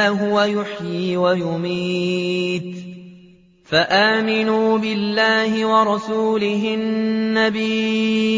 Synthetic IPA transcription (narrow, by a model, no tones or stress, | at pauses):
ɦʊwajʊħjiwajʊmiːt̪ | faʔaːmɪnuːbɪlːaːhɪwɑɾˤɑsuːlɪɦɪnnːabiː